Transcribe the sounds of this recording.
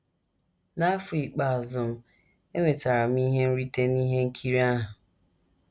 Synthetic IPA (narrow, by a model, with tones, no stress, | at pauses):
na˦fʊ˨i˨k͡pa˨zʊ˨m̩˦ | e˦ŋʷe˨ta˨ɾa˨m̩˦i˦ɦe˦n̩˦ɾi˦te˦ni˦ɦe˦ŋ̩˦kʰi˦ɾi˦a˦ɦʊ˨